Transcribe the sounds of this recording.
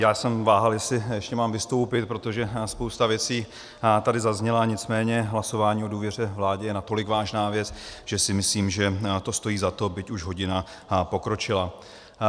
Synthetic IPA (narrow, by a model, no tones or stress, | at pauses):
jaːsɛmvaːɦaljɛsɪjɛʃcɛmaːmvɪst̪o̞wpɪt̪̚pɾo̞t̪o̞ʒɛspowst̪avjɛt͡siː | t̪adɪzazɲɛlaɲɪt͡smɛːɲɛɦlaso̞vaːɲiːo̞duːvjɛr̝ɛvlaːɟɛjɛnat̪o̞lɪkvaːʒnaːvjɛt͡sʒ̥ɛsɪmɪsliːmʒɛt̪o̞st̪o̞jiːzat̪o̞bɪcuʒɦo̞ɟɪna | po̞kɾo̞t͡ʃɪla